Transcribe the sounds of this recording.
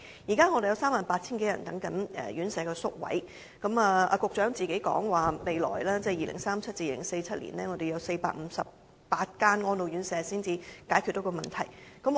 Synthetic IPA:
jiː˨˩kaː˥ŋɔː˨˧e˨jɐ˧wsaː˥maː˨npaː˧t̚t͡sʰiː˥nke˨˥jɐ̰˨˩nt̪ɐ˨˥ŋkɐ˨˥nɛ̰ː˨˩ɥyː˨˥nsɛː˨˧kɔː˧sʊ˥k̚wɐ̰˨˥j | kɐ˨˥mɐː˨˧ɐ̰ː˧kʊ˨k̚t͡ʃœː˨˥ŋt͡siː˨˩ke˨˥jkɔ̰ː˨˥ŋwaː˨˩me˨˧jlɔ̰ː˨˩jlɛː˥t͡sɛː˥˩jiː˨lʔɪ̰˨˩ŋsaː˥mt͡sʰɐ˥t̚t͡si˧˨lɪ̰˨˩ŋse˧jt͡sʰɐ˥t̚lḭ˨˩nlɛː˥ŋɔː˨˧d̪e˨jɐ˨˧wse˧jpa̰ː˧k̚m̩˨˧sɐ˨p̚ | paː˧t̚kaː˥nŋɔː˥nlo˧wjy˨˥nsɛː˨˥siː˥nt͡siː˧kaː˨˥jkʰy˨t̚t̪o˨˥wkːɔː˧mɐ˨nt̪ʰɐ˨˩jkɐ˨˥m

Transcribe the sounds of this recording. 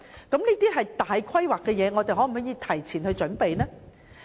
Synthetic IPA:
kɐ˨˥mniː˥t̪iː˥ɦɐ˨jt̪aː˨jkʰɐ˥jwaː˨kːɛː˧jɛː˨˧ŋɔ˨˧t̪e˨jɦɔː˨˥m̩˨˩hɔː˨˥jiː˧t̪ʰɐ˨˩jt͡sʰiː˨˩nhɵ˧ɥt͡ʃɵ˨˥npe˨jnɛː˥

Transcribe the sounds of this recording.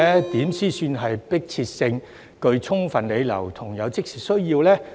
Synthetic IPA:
ɛ˥t̪iː˨˥msiː˥syː˧nɦɐ˨jpɪ˥k̚t͡sʰiː˧t̚sɪ˧ŋ | kɵ˧ɥt͡sʰʊ˥ŋfɐ˨nle˨˧jlɐ̰˨˩wt̪ʰʊ˨˩ŋjɐ˨˧wt͡sɪ˥k̚siː˨sɵ˥ɥjiː˧wlɛː˥

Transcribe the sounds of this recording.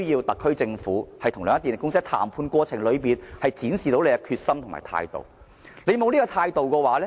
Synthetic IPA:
ɵ˥ɥjiː˧wt̪ɐ˨˩kʰːɵ˥ɥt͡sɪ˧ŋfuː˨˥hɐ˨jt̪ʰʊ˨˩ŋlœː˨˧ŋɐ˥t̪i˨n˨˩kʊ˥ŋsɪ˥k̚t̪ʰa̰ː˨˩mpʰuː˧nkʷɔː˧t͡sʰɪ˨˩ŋlɵ˨˧piː˨nhɐ˨jt͡siː˨˥nsiː˨t̪o˨˥wle˨˧jɐ˧kʰyː˧t̚sɐ˥mt̪ʰʊ˨˩ma̰ː˨˩jt̪ʰa̰ː˧jt̪o̰˨w | le˨˧jmo˨˧wliː˥kɔː˧t̪ʰaː˧jt̪o˨wkɔː˧waː˨˥lɛː˥

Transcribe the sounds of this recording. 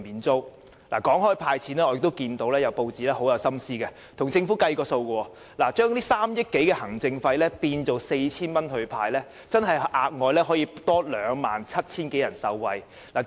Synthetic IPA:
miː˨˧nt͡so˥w | la̰ː˨˩kɔː˨˥ŋɦɔː˥jpʰaː˧jt͡sʰiː˨˥nɛː˥ɔː˨˧jɪ˨k̚t̪o˥wkiː˧nt̪o˨˥wlɛː˥jɐ˨˧wpo˧wt͡siː˨˥lɛː˥ho˨˥wjɐ˨˧wsɐ˥msiː˥kɛ˧ | t̪ʰʊ˨˩ŋt͡sɪ˧ŋfuː˨˥kɐ˧jkɔː˧so˧wkɔ˧wɔː˧ | laː˨˩t͡ʃœː˥ŋt̪iː˥saː˥mjɪ˥k̚kːe˨˥jkɛː˧hɐ˨˩ŋt͡sɪ˧ŋfɐ˧jlɛː˥piː˧nt͡so˨wse˧jt͡sʰiː˥nmɐ˥nɦɵ˧ɥpʰaː˧jlɛː˥ | t͡sɐ˥nɦɐ˨jʔaː˨˧k̚ŋɔː˨˧jlɛː˥ɦɔː˨˥jiː˧t̪ɔː˥lœː˨˧ŋma̰ː˨˩nt͡sʰɐ˥t̚t͡sʰiː˥nke˨˥jɐ˨˩nsɐ˧wːɐ˧j | laː˨˩

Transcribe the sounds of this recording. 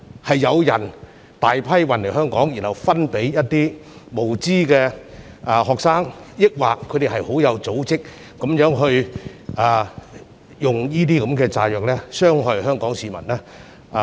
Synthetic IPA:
hɐ˨jːɐ˨˧wjɐ˨˩n | t̪aː˨jpʰɐ˥jwɐ˨˩nle˨˩jhœː˥ŋkɔː˨˥ŋji˨˩nhɐ˨wfɐ˥npe˨˥jjɐ˥t̚t̪iː˥mo˨˩wt͡siː˥kɛː˧ | ʔːhɔː˨k̚saː˥ŋjɪ˥k̚waː˨kʰːɵ˨˧t̪e˨ɦɐ˨jho˨˥wjɐ˨˧wt͡so˨˥wt͡sɪ˥k̚ː | o˨˥mjœː˨˥ŋɦɵ˧ɥʔː | jʊ˨ŋjiː˥t̪iː˥kɐ˨˥mkɛː˧t͡saː˧jœː˨k̚lɛː˥sœː˥ŋɦœ˨˧jhœː˥ŋkɔː˨˥ŋsiː˨˧mɐ˨˩naː˥˧

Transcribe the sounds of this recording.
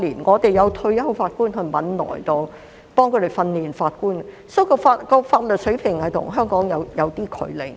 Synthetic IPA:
liː˨˩nŋɔː˨˧t̪e˨jɐ˨˧wt̪ʰɵ˧ɥjɐ˥wfaː˧t̚kuː˥nɦɵ˧mɐ̰˨˥nlɔ̰ː˨˩jt̪o˨w | pɔː˥ŋkʰɵ˨˧ɾe˨˩jfɐ˧nliː˨˩nfaː˧t̚kuː˥n | so˥kɔ˧faː˧t̚kɔː˧faː˧t̚lɵ˨t̚sɵ˨˥ɥpʰɪ˨˩ŋhɐ˨jt̪ʰʊ̰˨˩ŋɦœː˥ŋkɔː˨˥ŋjɐ˨˧wjɐ˨˧wt̪iː˥kʰɵ̰˨˧ɥle˨˩j

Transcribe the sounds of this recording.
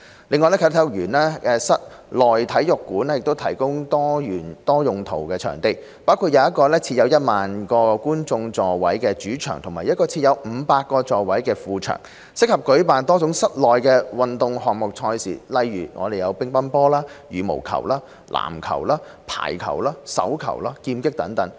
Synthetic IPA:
lɪ˨˧ŋːɔː˨˧jlɛ˥kʰːt̪ʰːjʊ˨˩k̚ɥyː˨˩nlɛː˥ɛː˨˧sɐ˥t̚ | lɔː˨jt̪ʰɐ˨˥jjʊ˨kːuː˨˥nɛː˥jɪ˨k̚t̪wt̪ʰɐ˨˩jkʊ˥ŋt̪ɔː˥jyː˨˩nt̪ɔː˥jʊ˨ŋt̪ʰo˨˩wkɛː˧t͡ʃʰœ̰ː˨˩ŋt̪e˨˧j | paː˥wkʰuː˨˧t̚jɐ˧jɐ˥t̚kːɔː˧lɛː˥t͡sʰiː˧t̚jɐ˨˧wjɐ˥t̚maː˨nkɔː˧kuː˥nt͡sʊ˧ŋt͡sɔː˨wɐ̰˨˥jkɛː˧t͡ʃyː˨˥t͡ʃʰœ̰ː˨ŋt̪ʰʊ˨˩ŋmaː˨˩jɐ˥t̚kɔː˧t͡sʰiː˧t̚jɐ˨˧wm̩ː˨˧paː˧t̚kːɔː˧t͡sɔː˨wɐ˨˥jkɛː˧fuː˨t͡ʃʰœ̰ː˨˩ŋ | sɪ˥k̚hɐ˨p̚kɵ˨˥ɥpaː˨nt̪ɔː˥t͡sʊ˨˥ŋsɐ˥t̚lɔː˨jkɛː˧wɐ˨nt̪ʊ˨ŋɦɔː˨ŋ̚mʊ˨k̚t͡ʃʰɔː˧jsḭː˨˩lɐ˨˧jːyː˨˩ŋʔɔ̰ː˨˧d̪e˨jɐ˨˧wpɪ˥ŋpɐ˥npɔː˥laː˥jyː˨˥mo̰˨˩wkʰɐ̰˨˩wlaː˥ | lʔa̰ː˨˩mkʰɐ̰˨˩wlaː˥ | pʰa̰ː˨˩jkʰɐ̰˨˩wlaː˥sɐ̰˨˥wkʰɐ̰˨˩wlaː˥kiː˧mkɪ˥k̚t̪ɐ˨˥ŋt̪ɐ˨˥ŋ

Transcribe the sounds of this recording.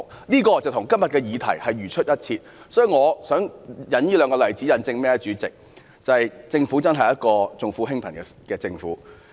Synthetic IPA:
niː˥kɔː˧t͡sɐ˨wt̪ʰʊ˨˩ŋkɐ˥mjɐ˨t̚kɛː˧jiː˨˧t̪ʰɐ̰˨˩jhɐ˨jɥyː˨˩t͡ʃʰɵ˥t̚jɐ˥t̚t͡sʰiː˧t̚ | sɔː˨˥ji˨ŋɔː˨˧sœː˨˥ŋjɐ˨˥njiː˥lœː˨˧ŋkɔː˧lɐ˨˩jt͡siː˨˥jɐ˨nt͡sɪ˧ŋmɛː˥ɛ˧t͡ʃyː˨˥t͡sɪ˨k̚ | t͡sɐ˨ɐ˨jt͡sɪ˧ŋfuː˨˥t͡sɐ˥nɦɐ˨jɐ˥t̚kɔː˧t͡sʊ˨ŋfuː˧˥ɦɪ˥ŋpʰɐ˨˩nkɛ˧kɛː˧t͡sɪ˧ŋfṵː˨˥

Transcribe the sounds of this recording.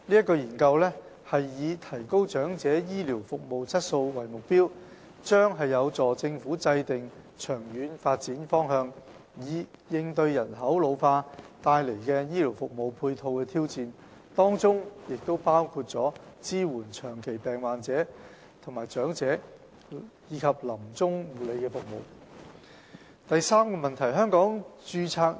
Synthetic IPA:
liː˥ɐ˥t̚kːɔː˧jiː˨˩nkɐ˧wlɛː˥ | hɐ˨jːiː˨˧t̪ʰɐ˨˩jko˥wt͡ʃœː˨˥ŋt͡sɛː˨˥jiː˥liː˨˩wfʊ˨k̚mo˨wt͡sʰɐ˥t̚so˧wwɐ˨˩jmʊ˨k̚piː˥w | t͡ʃœː˥ŋɦɐ˨jːɐ˨˧wt͡sɔː˨˩t͡sɪ˧ŋfuː˨˥t͡sɐ˧jt̪ɪ˨ŋ | t͡ʃʰœː˨˩ŋjyː˨˥nfaː˧t̚t͡siː˨˥nfɔː˥ŋɦœː˧ŋ | jiː˨˥jɪ˧ŋt̪ɵ˧ɥjɐ˨˩nɦɐ˨˥wlo˨˧wfaː˧t̪aː˧jle˨˩jkɛː˧jiː˥li˨˩wfʊ˨k̚mo˨wpʰuː˧jt̪ʰo˧wkɛː˧t̪ʰiː˥wt͡siː˨˧n | t̪ɔː˥ŋt͡sʊ˥ŋjɪ˨k̚t̪o˥wpaː˥wkʰuː˧t̚t͡sɔː˨˥ | t͡siː˥wuː˨˩nt͡ʃʰœː˨˩ŋkʰe˨˩jpɛː˨˩ŋwaː˨nt͡sɛː˨˥ | t̪ʰʊ˨˩ŋmaː˨jt͡ʃœː˨˥ŋt͡sɛː˨˥ | jiː˨˧kʰɐ˨p̚lɐ˨˩mt͡sʊ˥ŋwuː˨le˨˧jkɛː˧fʊ˨k̚mo̰˨w | t̪ɐ˨jsaː˥mkɔː˧mɐ˨nt̪ʰɐ˨˩jɦœː˥ŋkɔː˨˥ŋt͡ʃyː˧t͡sʰaː˧k̚

